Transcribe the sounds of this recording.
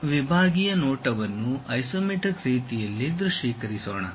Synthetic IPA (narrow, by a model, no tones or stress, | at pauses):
ʋibʱaːɡijɐnoːʈɐʋɐnːuɐjsoːmiʈɐkɾiːt̪ijɐlːid̪ɾuʂiːkɐɾisoːɳɐ̰